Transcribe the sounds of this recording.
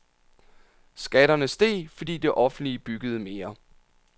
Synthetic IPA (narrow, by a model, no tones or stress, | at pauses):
sɡ̥æɾɐnəsd̥e̝̰ːfɒ̽d̥ḭːd̥e̝ʔɒ̽fn̩d̥lib̥yɡ̥əð̞̩ˠəme̝ːɐ